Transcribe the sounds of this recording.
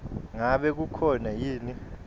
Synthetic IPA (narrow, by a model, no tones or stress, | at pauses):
ŋaɓɛk̬ukʰɔnajiːni